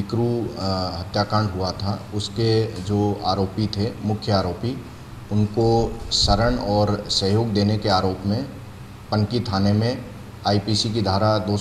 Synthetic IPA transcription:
ɪkɾuɦɐt̪jaːkãːɳɖɦʊat̪ʰaʊsked͡ʒoːa̰ːɾoːpit̪ʰemʊkʰjəaːɾoːpi | ʊnkosəɾəɳ̃ɔːɾsəɦjoːɡd̪eːnekeaːɾoːpmẽ | pɐ̃ŋkit̪ʰaːnemẽ | aːipiːsik̬id̪ʱaːɾad̪oː

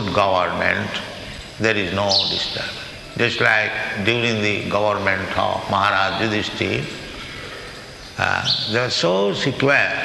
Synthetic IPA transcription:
ɖɡʌʋəɾmḛ̃ɳʈ | d̪eɾiznoːɖɪsʈə̰ɾb | d͡ʒʌsʈlaɪk̚ɖjuːɾĩŋd̪iɡʌʋəɾmẽɳʈʰɔ̰ʋmʌɦaɾaːd͡ʒud̪isʈe | d̪eaɾsoːsikjuɛɾ

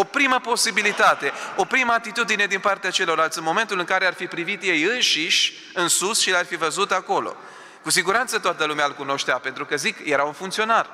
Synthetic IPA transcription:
o̞pɾiməpo̞sibilit̪at̪e̞o̞pɾiməat̪it̪ud̪ine̞d̪inpart̪eat͡ʃe̞lo̞ɾalt̪sʲɨnmo̞me̞nt̪ulɨŋkaɾearfipɾivit̪je̞jɨnʃiʃʲ | ɨnsusʃilarfivəzut̪ako̞lo̰ | kusiɡuɾant̪sət̪oat̪əlumealkuno̞ʃt̪eape̞nt̪ɾukəzikje̞ɾaunfuŋkt̪sio̞nar

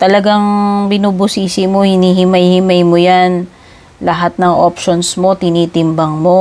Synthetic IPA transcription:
t̪ɐlɐɡaŋbɪnuːbʊsiːsɪmohɪniːɦɪmɐjhɪmajmojan | lɐɦat̪̚nɐŋʔopʃonsmo̞t̪ɪniːt̪ɪmbɐŋmo̞

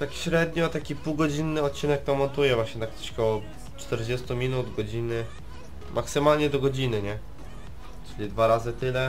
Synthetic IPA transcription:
t̪akɕɾɛd̪ɲɔt̪akʲipuwɡɔd͡ʑinːɘɔt̪̚t͡ɕinɛk̚t̪ɔ̃mɔnt̪ujɛvwaɕɲɛnakt̪ɔ̥t͡ɕkɔwɔ | t͡ʂt̪ɛɾd͡ʑɛst̪umʲinud̪ɡɔd͡ʑinɘ | mʔaksɘmalɲɛd̪ɔɡɔd͡ʑinɘɲɛ | t͡ʂɘlʲid̪vaɾazɘt̪ɘlɛ

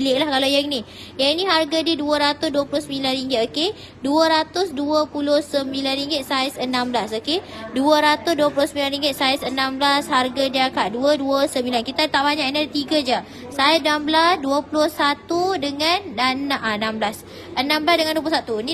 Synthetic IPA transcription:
lɪʔlahkalajaŋnĩ | jaŋniɦarɡadiəduəɾat̪ʊsduəpulʊhsəmĩlanriŋɡɪt̪oke | duəɾat̪ʊsduəpulʊhsəmbilanriŋɡɪt̪̚saisənãmblasokeduəɾat̪ʊsduəpulʊhsəmilanriŋɡɪt̪̚saisənamblasharɡadiəakaʔ̚duəduəsəmbilankit̪at̪aʔbaɲaʔinadət̪iɡad͡ʒə | sasnamblasduəpulʊhsat̪udəŋananaʔnamblas | ʔənãmblasdəŋanduəp̬uʊsat̪uni

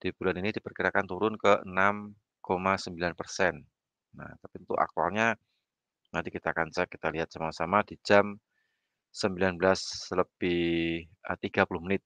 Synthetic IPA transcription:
d̥ib̥ulaninidipərkiɾakant̪uɾʊnkəənam | komasəmbilanpərsɛnː | na̰ht̪apint̪ṵʔa̰k̚t̪ua̰lɲa | nant̪ikit̪akant͡ʃɛkit̪aliɦat̪̚samasamadid͡ʒam | səmbilanblasələb̥ɪhət̪iɡ̥apulʊhmənɪt̪̚

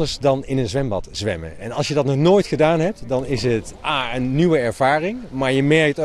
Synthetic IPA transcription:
dəɹsdɑnɪnənzʋɛmbɑ̰tz̥ʋɛ̰mə̰ɛnɑlˠsjədɑtnɔχnoːjtχədaːnɦɛp̚tdɑnɪsɦətaːənːywəɛɹv̥aːrɪŋmaːɹjəmɛɹk̚t

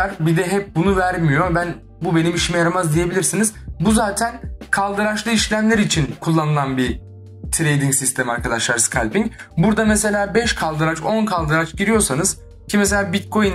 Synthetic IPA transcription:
aɾbid̪ɛɦɛp̚bunuvæɾmijo̞bæn | bube̞nimiʃimɛjaɾamazd̪ije̞bilʲiɾsiniz̥buzaːt̪ʰænkʰalˠd̪ɯɾat͡ʃlˠɯiʃlʲæmlʲeɾit͡ʃʰinkʰulˠːanɯlˠanbi | t̪ʰɾejd̪iŋsist̪ʰemiaɾkʰad̪aʃlˠaɾsɨ̥kʰalʲpiɲcbuɾd̪amese̞lʲaːbɛʃkʰalˠd̪ɯɾat͡ʃo̞nkʰalˠd̪ɯɾat͡ʃɟiɾijo̞ɾsanɯz̥ | cʰimes̬elʲaːbit̪̚kʰo̞jin

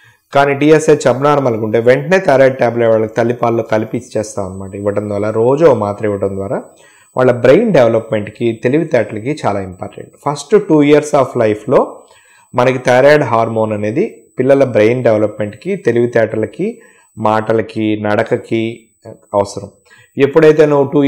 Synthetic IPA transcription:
kaːniːɖiːeset͡ʃɐbnaːɾɐmɐlɐkuɳʈe̞ːʋe̞ɳʈɐne̞ːt̪ɐjɾaːɖ̚ʈaːbleʈʋaːɭːɐki̥t̪ɐlːipaːlːoːkɐlipit͡ʃːt͡ʃɛːst̪aːʋɐnːɐmaːʈɐiʋɐʈɐnd̪ʋaːɾaːɾo̞ːd͡ʒoːmaːt̪ɾɐmiʋɐʈɐnd̪ʋaːɾaː | ʋʔa̰ːɭːɐbɾejnɖeʋɐlɐpme̞ɳʈkit̪e̞liʋit̪ɛːʈɐlɐkit͡ʃaːlaːimpa̰ːɾʈḛɳʈpʰɐsʈʈuːijɐɾsaːpʰlɐjpʰlo̞ː | mɐnɐkit̪ɐjɾaːɖɦaːɾmo̞ːnɐne̞ːd̪ipilːɐlɐbɾejnɖeʋɐlɐpme̞ɳʈkit̪e̞liʋit̪ɛːʈɐlɐki | maːʈɐlɐkinɐɽɐkɐki | ɐʋɐsɐɾɐm | epːuɽɐjt̪e̞ːnuːuʈuː

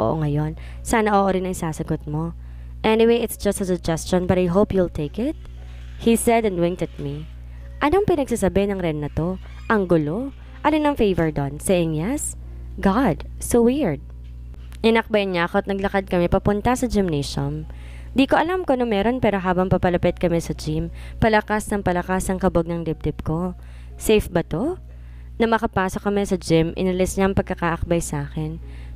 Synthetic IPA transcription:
o̰ʔo̰ŋɐjo̞n | saːnɐʔoʔoɾɪnɐŋsaːsɐɡot̪̚mo̞ | ʔɛnɪwejɪt̪sd͡ʒɐst̪ɐsʊd͡ʒɛst͡ʃonbɐɾɐjɦopjult̪ʰejkɪt̪̚ | hisɛd̪ɛ̃nd̪wɪ̃ŋt̪ɐt̪̚mi | ʔɐnoŋpɪnɐɡ̚sasɐbehnɐŋɾɛnːɐt̪o̞ | ʔɐŋɡʊlo̞ | ʔɐlɪnɐŋfejvɛɹd̪onsɛʔɪŋjɛs | ɡad̪sowiɹd̪̚ | ʔɪnɐk̚bɐjɐɲaːɐkoɐt̪̚nɐɡlɐkad̪̚kɐmɛpɐpʊnt̪ɐsɐd͡ʒɪmnɛʃon | d̪iːkoʔɐlamkonoŋmɛːɾo̞npɛːɾo̞ɦaːbɐŋpɐpɐlɐpɛt̪̚kɐmɛsɐd͡ʒim | pɐlɐkasnɐŋpɐlɐkasɐŋkɐboɡ̚nɐŋd̪ɪb̚d̪ɪb̚ko̞ | sɛjfbɐt̪o | nɐmɐkɐpaːso̞kɐmɛsɐd͡ʒɪmʔɪ̰nɐlɪsɲaɐŋpɐɡ̚kːɐkaʔɐk̚bɐjsɐaːkɛn

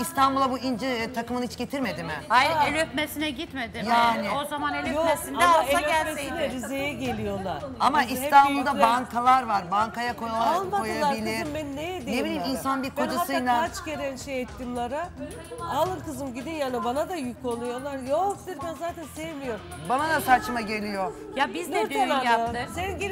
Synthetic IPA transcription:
ist̪ʰanbulˠabuind͡ʒɛt̪ʰakɯmɯnhit͡ʃɟe̞t̪ʰiɾme̞d̪imɪajelʲøt̪̚mesinɛɟit̪med̪ijaːnɪozamaneljoesinamaeleiɛɾizejɛɟe̞lʲijo̞lˠa̰ɾ̥amaist̪ʰanbulˠd̪abaŋkʰalˠaɾvaɾbaŋkajakʰojalˠaaaojaailʲɛimmɛnnejɛd̪enebilʲiminsanbiɾkʰod͡ʒaɯjlaat͡ʃɟeɾɛnʃejɛt̪ːimlˠaɾa | alˠɯnkʰɯzɯmɟid̪injaːnibanad̪ajykʰonˠujolˠaɾjod̪iɾb̪ænzaːt̪ʰænsevmijoɾ | banad̪asat͡ʃmaɟe̞lʲijo | jabiznʰanasenɟi

